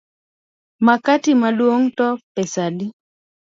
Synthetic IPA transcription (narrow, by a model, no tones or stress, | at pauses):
makatimalwoŋtɔpɛsadi